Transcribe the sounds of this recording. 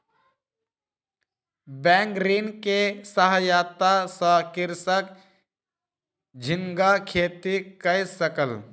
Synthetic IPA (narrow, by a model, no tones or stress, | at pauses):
bɛ̃ːŋkɾinkesəɦəjaːt̪asəkɪɾsək | d͡ʒʱɪŋɡakʰeːt̪ikəjsəkəl